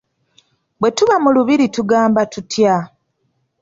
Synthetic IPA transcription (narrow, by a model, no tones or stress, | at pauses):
bwe̞tuβamuluβiɾituɡaːmbatutja